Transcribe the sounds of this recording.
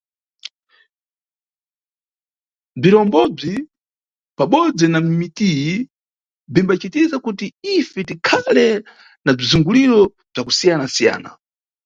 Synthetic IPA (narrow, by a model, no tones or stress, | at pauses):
b͡ʐiɾɔmbɔb͡ʐi | paɓɔd͡zɛnam̩mitiji | b͡ʐimbat͡ʃitizakutiifɛtikʰalɛ | nab͡ʐizuŋɡuliɾɔ | b͡ʐakusijanasija̰ːna̰